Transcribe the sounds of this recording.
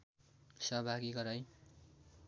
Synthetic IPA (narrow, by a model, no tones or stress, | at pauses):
sʌɦbʱaɡiɡʌɾaj